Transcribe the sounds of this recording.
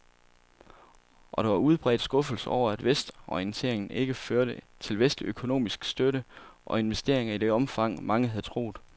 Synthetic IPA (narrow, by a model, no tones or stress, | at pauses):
ʔɒ̽ɾ̥ɑ̈ʋɑ̈uð̞ˠb̥ʁɛ̰ːd̥sɡ̥ɔ̽fl̩səɒʊ̰ɐæd̥ʋesd̥ɒiənt͡sʰe̝̰ɐ̰eŋn̩e̝ɡ̥əføɐɾə | t͡sʰe̝lʋesd̥liøkʰo̝no̝̰ːmisɡ̥sd̥øɾəʔɒ̽e̝nʋesd̥e̝̰ɐ̰e̝ŋɐid̥e̝ɒ̽mfɑ̈ŋ̰mɑ̈ŋəɦæð̞ˠt͡sʰʁo̝̰ːð̩ˠ